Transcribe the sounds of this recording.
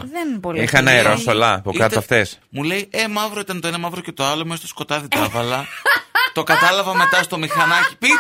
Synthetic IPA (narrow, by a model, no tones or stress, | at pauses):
ðenpolixɐnɐeɾɾossolɐpoikɐt̪ɐft̪esmule̞je̞mɐvɾoit̪ɐnt̪o̞enɐmɐvɾoce̞t̪oɐlomest̪osko̞t̪ɐðit̪ɐvɐlɐt̪o̞kɐt̪ɐlɐvɐme̞t̪ɐst̪o̞mixɐnɐci̥pi